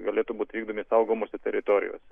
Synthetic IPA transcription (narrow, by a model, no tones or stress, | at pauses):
ɡɐlʲeːt̪ubuːt̪ʲʋʲiːɡ̚d̪oːmʲisɐʊɡoːmoːsʲɛt̪ʲɛɾʲɪt̪oɾʲɪ̰jo̰ːsʲɛ